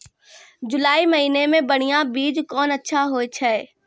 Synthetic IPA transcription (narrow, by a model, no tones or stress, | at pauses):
d͡ʒʊlaːimɐɦiːnemẽbɐɽ̤̃ijãbiːd͡ʒkɔːnɐtːʃʰaɦoːet͡ʃʰɛ